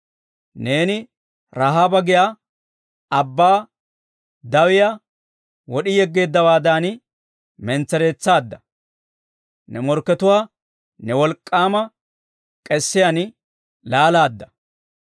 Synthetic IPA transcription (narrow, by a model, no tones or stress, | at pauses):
ne̞ːnɪ | ɾaɦaːbɐɡɪja | ɐbːaː | d̪ɐwɪja | wɔɗɪjɛɡːe̞ːd̪ːɐwaːd̪aːn | mɛnt͡sːɛɾe̞ːt͡sːaːd̪ːɐ | nɛmɔɾkːɛt̪ʊwaː | nɛwɔlkʼːaːmɐ | kʼɛsːɪjan | laːlaːd̪ːɐ̥